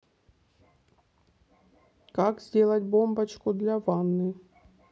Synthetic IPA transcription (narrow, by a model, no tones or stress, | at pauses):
kakzʲdʲe̞lˠət̚ʲbo̞mbɐt͡ɕkʊd̪lʲavanːɨ